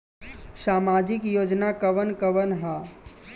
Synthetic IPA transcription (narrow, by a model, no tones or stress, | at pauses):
saːmaːd͡ʒɪkjoːd͡ʒnakəʋənkəʋənɦaː